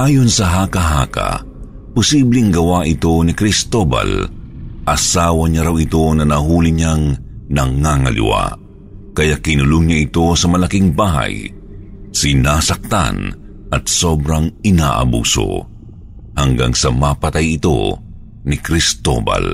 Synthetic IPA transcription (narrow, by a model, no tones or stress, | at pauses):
ʔaːjonsɐɦaːkɐɦa̰ːka̰ | pʊsiblɪŋɡɐwaʔɪt̪o̞nɪkɾɪst̪oba̰lʔɐsaːwɐɲaɾawɪt̪o̞nɐnɐɦuːlɪɲaŋnɐŋaŋɐlɪ̰wa̰ | kɐjaʔkɪnʊlʊŋɲaʔɪt̪o̞sɐmɐlakiŋbaːɦɐ̰j | sɪnaːsɐk̚t̪a̰n | ʔɐt̪̚sobɾaŋɪnaːʔɐ̰bṵːso̰ | hɐŋɡa̰ŋsɐmapɐt̪ajɪt̪o̞̰ | nɪkɾɪst̪o̰ba̰l